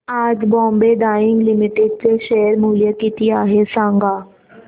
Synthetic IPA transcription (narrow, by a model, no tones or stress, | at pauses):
aːd͡ʒbɔ̃ːmbeːɖaːɪŋɡlɪmɪʈɪɖ̚teːʃeːəɾmuːlɪjaːkiːt̪iːaːɦeːsãːŋɡaː